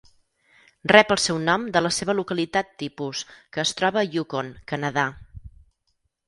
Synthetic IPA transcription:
rɛpəlˠsɛwnɔmd̪ələseβ̞əlukəlit̪at̪ːipuskəːst̪ɾɔβəːjukoŋkənəða

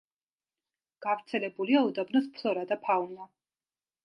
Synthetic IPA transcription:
ɡ̥avɾt̪sʰɛlɛbuliaud̪abnɔspʰlˠɔɾad̪apʰauna

